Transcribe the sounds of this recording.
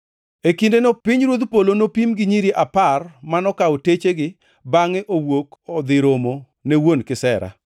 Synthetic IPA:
ekindenopɪɲɾwod̪polonopimɡɪɲiɾiʔaparmanɔkaotet͡ʃeɡɪ | baŋɛʔowokɔd̪ɪɾomo | newonkɪsɛɾa̰

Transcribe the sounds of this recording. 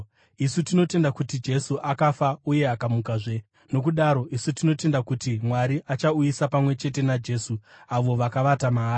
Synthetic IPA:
isutino̞te̞ndakutid͡ʒe̞suʔakafauje̞akamukaʐe̞ | no̞kuɗaɾo̞ʔisutino̞te̞ndakutimwaɾiʔat͡ʃaujisapamwe̞t͡ʃe̞t̬e̞nad͡ʒe̞suaʋo̞ʋakaʋatamaː

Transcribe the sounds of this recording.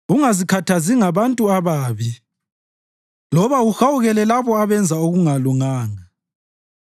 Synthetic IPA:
uŋazikʰatʰaziŋaβantʼuaβaːβi | lɔβauxawuɣɛlɛlaβɔaβɛnd͡zʱaoɣuŋaluŋaːŋa

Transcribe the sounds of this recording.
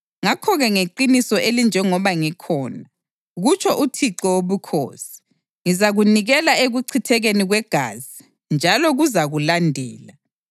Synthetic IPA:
ŋakʰɔɣɛŋeǃinisɔʔelind͡ʒʱɛŋɔβaŋikʰɔːna | ɣut͡ʃʰʼɔʔutʰiǀɔwoβukʰo̰ːsi̥ | ŋizaɣuniɣɛlaeɣuǀʰitʰɛɣeniɣwɛɡ̥ʱa̰ːzi | nd͡ʒʱalɔɣuzaɣulandʱɛːla

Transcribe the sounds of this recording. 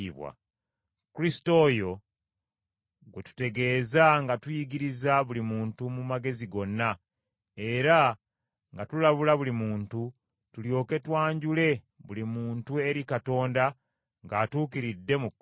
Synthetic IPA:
iβwa̰ | kuɾisto̞ːjo̞ | ɡwe̞tu̥te̞ɡe̞ːzaŋɡatujiɡiɾizaβulimuːntumumaɡe̞ziɡo̞nːa | e̞ɾa | ŋɡatulaβulaβulimuːntu | tuljo̞ːke̞twaːɲɟule̞ | βulimuːntue̞ɾikato̞ːnda | ŋɡaːtuːkiɾidːe̞mu

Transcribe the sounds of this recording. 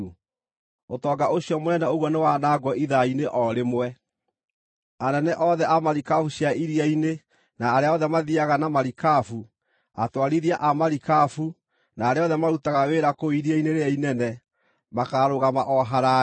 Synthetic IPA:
otɔːɡaʔoɕiɔmonɛnɛoɣwɔnewanaɡwɔiðaineʔɔɾemwɛ | anɛnɛʔɔðɛʔamaɾikafuɕjaiɾiaine | naːɾeaɔðɛmaðiaɣanamaɾikafu | a̰twaɾiɾiaʔamaɾikafu | naːɾeɔðɛmaɾutaɣaweːɾakoiɾiaineɾeainɛnɛ | makaɾoɣamaʔɔɦaɾa

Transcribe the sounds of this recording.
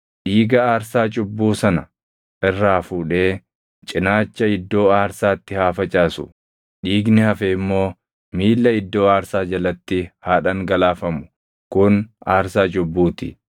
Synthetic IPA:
ᶑiːɡɐaːɾsaːt͡ʃʼʊbːuːsɐnɐ | ʔɪrːaːfuːᶑe̞ː | t͡ʃʼɪnaːt͡ʃːɐɪd̪ːo̞ːaːɾsaːt̪ːɪhaːfɐt͡ʃʼaːsʊ̰ | ᶑiːɡnɪhɐfeːɪmːo̞ː | miːlːɐɪd̪ːo̞ːaːɾsaːd͡ʒɐlɐt̪ːɪhaːᶑɐŋɡɐlaːfɐmʊ̥ | kʊnaːɾsaːt͡ʃʼʊbːuːt̪ɪ̰

